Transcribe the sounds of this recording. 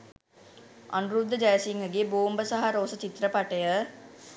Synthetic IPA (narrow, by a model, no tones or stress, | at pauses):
a̰nuɾubd̪ʱːəd͡ʒajsiŋɡəɡeːboːmbəsaɦaɾoːsət͡ʃit̪ɾəpaʈəjə